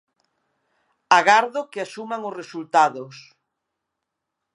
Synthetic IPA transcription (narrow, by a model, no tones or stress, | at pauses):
aɣaɾðʊkeasumaŋʊsresult̪aðʊs